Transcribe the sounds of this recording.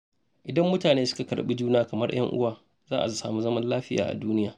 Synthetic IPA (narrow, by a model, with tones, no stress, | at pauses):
ʔɪ˨dɐ˦mːʊ˦taː˨neː˦sʊ̥˦ka˨kɐ˨ɾɓi˦d͡ʒuː˦naː˦kɐ˨mɐ˦rj̰ɐ̰˦ŋʔʊ̰˦waː˨ | zaː˦ʔa˨i˦saː˨mu˦zɐ˦mɐ˦nlaː˦ɸɪ˦ja̰ː˨ʔa̰˨duː˦nɪ˦jaː˨